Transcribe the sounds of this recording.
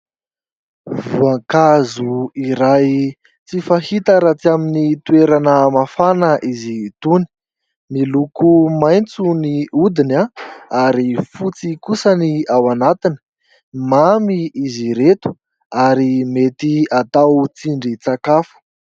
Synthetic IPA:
vuaŋkazuiɾaj | t͡sifahit̪əɾat͡siaminit̪ueɾanəmafanəʔizit̪uni̥ | milukumajnt͡suniud̪inaaɾifut͡sikusəniawanat̪inə̥ | mamiiziɾet̪u̥ | aɾimet̪iat̪awt͡siɳɖ͡ʐit͡sakafə̥

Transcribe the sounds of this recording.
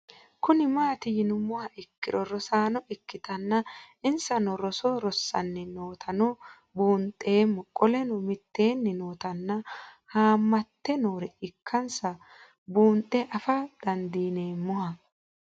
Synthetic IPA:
kʊnɪmaːt̪ɪjɪnʊmʊhɐʔɪkːɪɾɔɾɔsaːnɔʔɪkːɪt̪ɐnːɐɪnsɐnɔɾɔsɔɾɔsːɐ̰nːɪno̞ːt̪ʰɐnɔ | buːnt̪ʼːe̞ːmːɔkʼɔlɛnɔmɪt̪ːe̞ːnːɪno̞ːt̪ɐnːɐhaːmːɐt̪ːɛnoːɾɛɪkʰːɐnsɐ | buːnt̪ʼːɛʔɐfɐd̪̥ɐnd̪iːne̞ːmːʊhɐ

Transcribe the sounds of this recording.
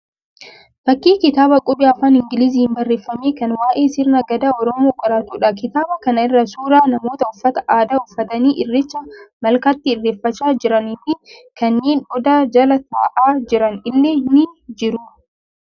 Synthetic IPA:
fɐkːiːkɪt̪aːbɐkʼʊbɪɐfaːnɪŋɡɪliz̬iːhɪmbɐrːe̞ːfːɐmeːkɐnwaːʔe̞ːsɪɾnɐɡɐd̪aːɔɾɔmoːɡʼɐɾaːt̪uːᶑɐkɪt̪aːbɐkɐnɐɪrːɐsuːɾaːnɐmo̞ːt̪ɐʊfːɐt̪ɐ̥ʔaːd̪aːʊfːɐt̪ɐniːʔɪrːɪt͡ʃːɐmɐlkat̪ːɪɪrːeːfːɐt͡ʃːaːd͡ʒɪɾɐniːfɪkɐnːe̞ːnʔɔd̪aːd͡ʒɐlɐt̪a̰ːʔaːd͡ʒɪɾɐnɪlːeːnɪd͡ʒɪɾu

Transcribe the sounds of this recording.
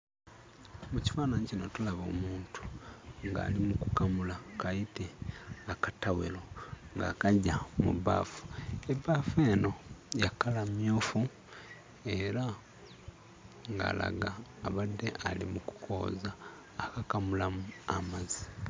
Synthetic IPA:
muci̥faːnaɲicino̞̰tulaβo̞̰ːmuːntu̥ŋɡa̰ːlimukukamulakaite̞akatawḛlo̞ŋɡa̰kaɟamṵβa̰ːfu̥eβaːfe̞ːno̞jakalamjoːfu | e̞ɾa | ŋɡa̰ːla̰ɡaːβadːe̞ʔalḭmuku̥kʰo̞̰ːzaː | kakamulamua̰mazi

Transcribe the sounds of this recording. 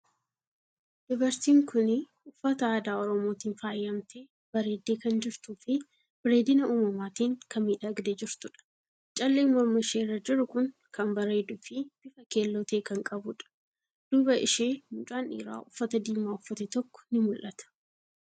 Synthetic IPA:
dɪbɐɾt̪iːŋkʊnɪ | ʊfːɐt̪ɐaːd̪aːɔɾɔmoːt̪iːnfaːjːɐmt̪ʰe | b̥ɐɾe̞ːd̪ːe̞ːkɐnd͡ʒɪɾt̪uːfɪ | bɪɾe̞ːd̪ɪnɐuːmɐmaːt̪iːŋkʰɐmːiːᶑɐɡd̪ɛd͡ʒɪɾt̪ʊᶑɐ̥ | t͡ʃʼɐlːeːmɔɾmɐʃeːrːɐd͡ʒɪɾʊkʊŋ | kɐmbɐɾe̞ːd̪ʊːfɪb̥ɪfɐkeːlːɔt̪e̞ːkɐŋkʼɐbʊᶑɐ̥ | d̪̥ʊbɐʔɪʃeːmʊt͡ʃʼaːnḭːɾa̰ːʔʊfːɐt̪ɐd̪iːmaːʊfːɐt̪ɛt̪ɔkːɔ̥nɪmʊlʔɐt̪ɐ̥

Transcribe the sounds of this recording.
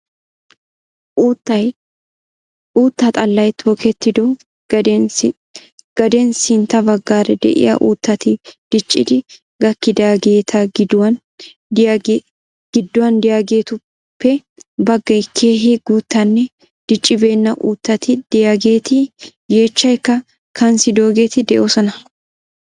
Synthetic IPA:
ʔuːt̪ːɐj | uːt̪ːɐt̪ʼɐlːɐjt̪ʰoːkɛt̪ːɪd̪ɔ̥ | ɡ̥ɐd̪ɛnsɪnt̪ːɐbɐɡːaːɾɛd̪ɛ̰ʔɪ̰jɐ̰ʔṵːt̪ːɐt̪ɪd̪̥ɪt͡ʃʼːɪd̪ɪ | ɡɐkːɪd̪aːɡe̞ːt̪ʰɐɡɪd̪ɐn | ɡ̥ɪd̪ːʊwɐnd̪ɪjaːɡe̞ːt̪ʊ | pːɛ | bɐɡːɐjkʰe̞ːɦɪɡuːt̪ːɐnːɛ | d̪̥ɪt͡ʃʼːɪbe̞ːnːɐʔuːt̪ːɐt̪ɪd̪̥ɪjaɡe̞ːt̪ɪ | je̞ːt͡ʃːɐjkːɐ | kʰɐnsɪd̪o̞ːɡe̞ːt̪ɪd̪ɛʔoːsɔnɐ

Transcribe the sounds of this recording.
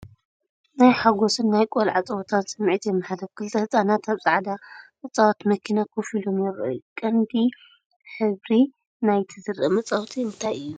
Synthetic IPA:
najħaɡosɨnːajkʼolʕat͡sʼɐwt̪ʰansʼɨmːʕit̪jɛmːaħad̪ɐβkʰɨlt̪ʰɐhɨt͡sʼanat̪aβsʼaʕd̪aʔɨt͡sʼawat̪mɐkʰinakʰofilo̞mjɛɾʔɨ̰ukʼɐnd̪i | ħɨβɾi | najt̪ʰɨzɨɾɐmɐt͡sʼawt̪ʰiɨnt̪ʰajɨjːu

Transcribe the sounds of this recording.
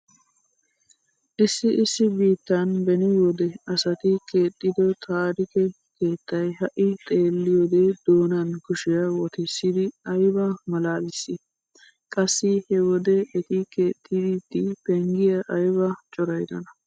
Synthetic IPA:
ʔɪsːɪʔɪsːɪbiːt̪ːanbɛnɪwɔd̪ɛɐsɐt̪ɪke̞ːt̪ʼːɪd̪ɔt̪ʰaːɾɪkɛ | ke̞ːt̪ːɐjɦɐʔɪt̪ʼe̞ːlːɪjoːd̪eːd̪̥oːnankʊʃɪjɐwɔt̪ɪsːɪd̪ɪɐjbɐmɐlaːd̪ɪsːɪ | kʼɐsːɪhɛwɔd̪ɛʔɛt̪ɪkeːt̪ʼːɪd̪ɪt̪ːɪpɛŋɡɪjɐʔɐjbɐt͡ʃʼɔɾɐjd̪ɐ̰nɐ

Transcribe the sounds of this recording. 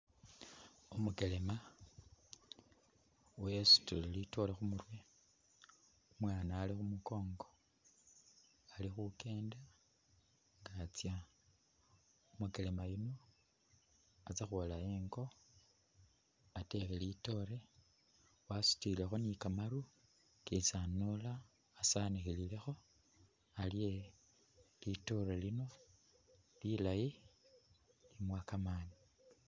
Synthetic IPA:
umuke̞le̞ma | wesu̥tullito̞lexumurwe | umwaːnaːlixumuko̞ːŋɡo̞ | alixuke̞ːnda | ŋɡat͡sja | umukelemajino̞ | at͡sexwolaeŋɡo̞ | atexelito̞ɾe̞ | wasu̥tilexo̞nikamaɾu | kit͡sanolaː | sanixilile̞xo̞ | alije | lito̞ɾelino̞ | lilaji | limwakamaːni

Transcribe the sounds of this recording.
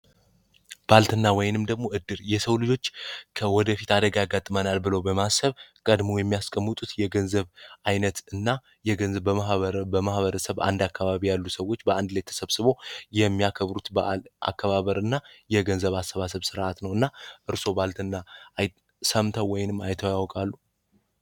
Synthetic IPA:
b̥alt̪ʰɨnːawɔjnɨmd̪əɡmo̞ʔɨd̪ːɨɾjɛsəwlɨd͡ʒo̞t͡ʃːkʰəwɔd̪əfit̪ad̪əɡajaɡat̪ʼːɨmənalbɨləwbəmasəβkʼəd̪mojɛmːijaskʼəmːɨt̪ʼut̪jɛɡənzəβʔajnət̪ɨnːa | ɛənbəəbəmahβəɾəsəβa̰nd̪akʰːaβaβijalːusəwːo̞t͡ʃːbəʔand̪lajt̪ʰə̥səβsɨβo̞jɛmːijakʰəβɾut̪bəʔa̰kʰːəβaβəɾɨnːajɛɡənzəβasəβasəβsɨɾʔat̪nəwɨnːaʔɨɾso̞balt̪ʰɨnːaj | səmt̪ʰəwːɔjɪnɨmːajt̪ʰəwjawkʼalːu

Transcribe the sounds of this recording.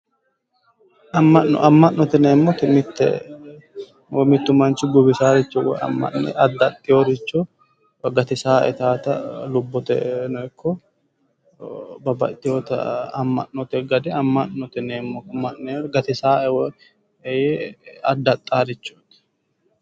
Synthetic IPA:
ɐmːɐʔɔ̰ʔɐmːɐnːɔt̪ɛneːmːɔt̪ɛmɪt̪ːɛ̰ | wmɪt̪ːʊmɐnt͡ʃɪɡʊbɪsaːɾɪt͡ʃːɔwɔ̰ɐ̰mːɐ̰nnḛɐd̪ɐt̪ʼːɪjoɾɪt͡ʃːo | ɡɐt̪ɪsaːʔɛ̰t̪aːt̪ɐlʊbːɔt̪ɛ̰nɔɛkʰːɔ | bɐbɐ̰t̪ʼːɪjot̪ɐ̰ɐ̰mːɐ̰ʔːɔt̪ɛɡɐd̪ɛɐmːɐʔnɔt̪ɛneːmːɔmːɐʔneːɡɐt̪ɪsaːɛwɔ | jeɐd̪ːɐt̪ʼːaːɾɪt͡ʃːut̪ɛ̥

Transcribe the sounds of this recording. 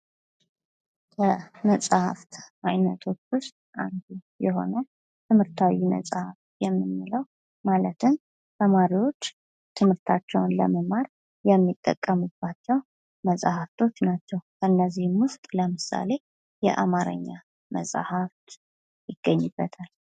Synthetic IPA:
kʰəməsʼha̰ft̪ʔajnət̪ʰo̞t͡ʃːʊst̪ʼʔa̰nd̪u | jɛɦo̞̰nə | t̪ʰɨmhɨɾt̪ʰawimə̰sʼhaft̪jɛmːɨnːɨləw | malət̪ʰɨn | t̪ʰəmaɾiwo̞t͡ʃː | t̪ʰɨmhɨɾt̪ʰat͡ʃːɛwnlə̰məmaɾ | jɛmːit̪ʼːə̰kʼːəmɨb̥ːat͡ʃːɛw | məsʼahaft̪ʰo̞t͡ʃːnat͡ʃːɛwkʰəɨnːəzihmwʊst̪ʼləmɨsa̰le̞ | jɛ̰ʔa̰maɾə̰ɲːa | mə̰sʼhaft̪ | jɪɡ̥ːəɲːɨbːət̪ʰal

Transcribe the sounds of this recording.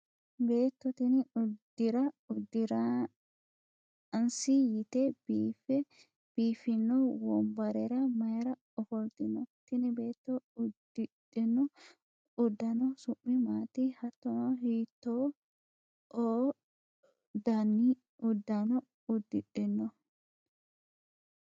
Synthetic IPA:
be̞ːt̪ːɔt̪ɪnɪʊd̪ɪɾɐʊd̪ːɪɾa | ɐnsijɪt̪ɛbifɛ | b̥iːfɪnːɔwɔmbɐɾɛɾɐmɐjɾɐ | ɔfɔlt̪ɪnɔt̪ɪnɪbe̞ːt̪ːɔʊd̪ɪᶑɪnɔ | ʊd̪ːɐnɔsʊʔːɪmaːt̪ihɐt̪ːɔnɔɦiːt̪ːoː | ʔoː | d̪anːi | ʊd̪ːɐnɔ | ʊd̪ːɪᶑɪnːɔ

